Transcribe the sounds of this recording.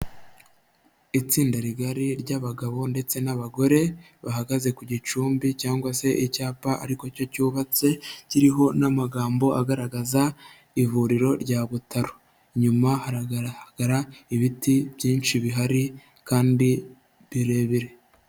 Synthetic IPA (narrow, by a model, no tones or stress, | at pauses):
it͡siːndaɾiɡaɾiɾɟaβaɡaβo̞nde̞t͡se̞naβaɡo̞ɾe̞ | βaɦaɡaze̞kuɟit͡ʃuːmbicaːŋɡwase̞ʔicaːpaʔaɾiko̞co̞cuːβat͡se̞ciɾiɦo̞namaɡaːmbo̞aɡaɾaɡaza | ivuɾiɾo̞ɾɟaːβutaɾo̥ | ɲumahaɾaɡ̥aɾaiβitiβjiːnt͡ʃiβiɦaɾi | kaːndi | βiɾe̞ːβiɾe̞